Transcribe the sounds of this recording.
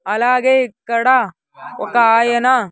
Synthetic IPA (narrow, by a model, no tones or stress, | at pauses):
ɐlaːɡekɐɽa | okajena